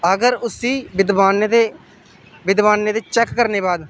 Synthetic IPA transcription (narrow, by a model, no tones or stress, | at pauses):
əɡəɾʊsiːbɪd̪ʋaːne | ʋɪd̪ʋaːnːeːd̪eːt͡ʃɛːkːəɾneːbaːd̪